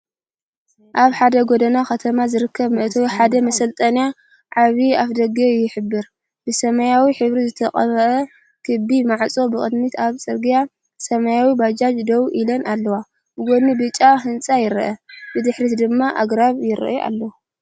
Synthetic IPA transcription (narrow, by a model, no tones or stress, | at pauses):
ʔaβħad̪ɐɡod̪ɐnakɐt̪ʰɐmazɨɾɨkʰːɐβmɨʔt̪ʰɐwiħad̪ɐmɐsɐlt̪ʼɐnija | ʕaβiafd̪ɐɡejːɪħɨbːɨɾ | b̥ɨsɐmajawiħɨβɾizɨt̪ʰɐχʼɐβɐʔɐ | kʰɨbimaʕt͡sʼo̞bɨkʼɨd̪mit̪ʰaβt͡sʼɨɾɡija | sɐmajawibad͡ʒad͡ʒd̪owʔilɐnʔalːɐwa | bɨɡonibɨt͡ʃʼːaɦɨnt͡sʼajɪɾʔɐbɨd̪ɨħɾit̪d̪ɨmːaʔaɡɾaβjɪɾ̰ʔʔa̰lːɐwu